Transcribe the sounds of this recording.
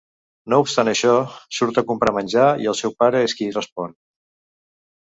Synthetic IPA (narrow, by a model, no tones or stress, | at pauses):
noupst̪anəʃɔsuɾt̪əkumpɾamənʲd͡ʒaḭəlˠsɛwpaɾəeskirəspɔn